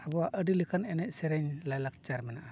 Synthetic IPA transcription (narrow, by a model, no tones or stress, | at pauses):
abɔwaʔəɖilikʰanɛnɛc̚sɛɾɛɲlajlak̚t͡ʃaɾmɛnaʔa